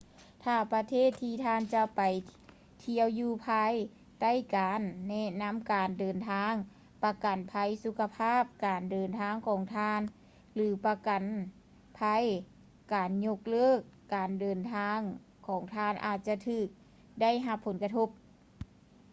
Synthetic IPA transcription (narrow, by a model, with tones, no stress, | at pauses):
t̪ʰaː˧˩pa˧t̪ʰeː˥˨t̪ʰːiː˧t̪ʰaː˧˥˨nt͡ɕa˧pa˨˩j | t̪ʰi˧əwjuː˧pʰaː˧˥j | t̪a˥˩˨jkaː˨˧nːɛ˧na˧˥˨mkaː˨ndɤː˨˩nt̪ʰaː˧˥ŋ | pa˧ka˨˩npʰa˧˥jsu˧˦kʰːa˧pʰaː˥˨p̚kaː˨˩ndɤː˨nt̪ʰaː˧˥˨ŋkʰɔː˨˦ŋt̪ʰaː˧˥n | lɯː˨˩˦pa˧ka˨˩n | pʰa˧˥j | kaː˨˩nɲo˧k̚lɤː˥˩kːaː˨˩ndɤː˨˩nt̪ʰaː˧˥ŋ | kʰɔː˨˩˦ŋt̪ʰaː˧˩nʔa̰ː˧˩t̪̚t͡ɕa˧t̪ʰɯː˧˩k̚ | da˥˨jɦa˧pʰːo˨˦nka˧t̪ʰo˧˥p̚